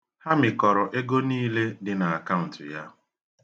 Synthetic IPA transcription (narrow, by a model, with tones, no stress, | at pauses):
ha˦mɪ˨kɔ˨ɾɔ˨ʔe˦ɡo˦niː˦le˦dɪ˨na˨a˨ka˦ʊ˨n̩˨tɪ˨ja̰˦